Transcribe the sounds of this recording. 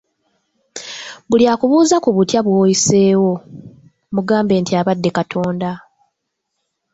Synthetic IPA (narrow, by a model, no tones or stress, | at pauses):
βuljaːkuβuːzakuβutjaβwoːjise̞ːwo̞ | muɡaːmbe̞ːntiaβadːe̞katʰo̞ːnda